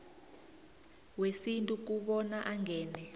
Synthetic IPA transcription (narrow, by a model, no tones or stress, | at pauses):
wesintʼuk̬uɓɔnaʔaŋʱɛːnɛ